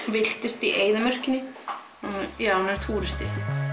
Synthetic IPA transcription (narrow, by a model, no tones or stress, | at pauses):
vɪl̥t̪ɪst̪iʔeːjðɪmœr̥cɪnːɪ | iaːwnaɾ̥t̪ʰuːɾɪst̪ɪ